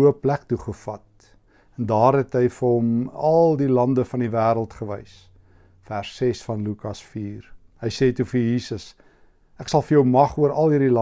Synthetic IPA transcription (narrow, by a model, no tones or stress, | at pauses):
əplæk̚tuχəfɐt̚ | ɛndɑːrɦɛtɦəjfərɦɔmɐlˠdilɐndəfɐnivæːɾəlˠtχəvəjs | færsːesfɐnlukɐsfiːr | ɦəjseːtufəjiːsəs | ʔæksɐlˠfərjəwmɐχuəɾɐlˠɦiːrdilɐ